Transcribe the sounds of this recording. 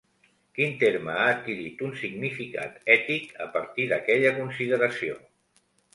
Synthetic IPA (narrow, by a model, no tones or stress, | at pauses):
kint̪eɾməaːt̪̚kiɾit̪unsiɡnifika̰t̪ɛt̪ikəpəɾt̪iðəkɛʎəkunsiðəɾəsio̰